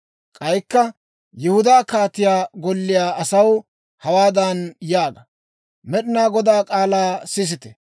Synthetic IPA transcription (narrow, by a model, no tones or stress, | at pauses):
kʼɐjkːɐ | jɛhʊd̪aːkaːt̪ːɪjaːɡɔlːɪjaːʔɐsɐw | hɐwaːd̪ɐnjaːɡɐ | mɛɗɪnaːɡɔd̪aːkʼaːlaːsɪs̬ɪt̪ɛ